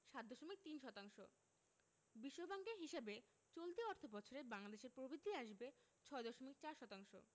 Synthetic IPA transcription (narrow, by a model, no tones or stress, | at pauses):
ʃat̪̚d̪ɔʃomik̚t̪inʃɔt̪aŋʃo | biʃːobaŋɡeɦiʃebe | t͡ɕolt̪iɔɾt̪ʰobɔt͡ɕʰoɾebaŋlad̪eʃeɾpɾobid̪ʱiaʃbet͡ɕʰɔed̪ɔʃomik̚t͡ɕaɾʃɔt̪aŋʃo̰